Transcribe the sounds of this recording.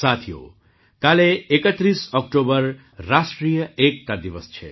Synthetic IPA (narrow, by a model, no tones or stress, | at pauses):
sat̪ʰijo̰ | kaleekət̪ɾisɔk̚ʈobʌrː | asʈɾijʌek̚t̪ad̪iʋəst͡ʃʰḛ